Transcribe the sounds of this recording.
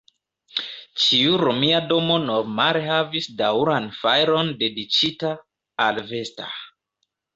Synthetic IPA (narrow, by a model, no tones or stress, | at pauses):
t͡ʃiuɾomiado̞mo̞nomalehavisdawɾanfajɾo̞nde̞dit͡ʃitaː | lve̞sta̰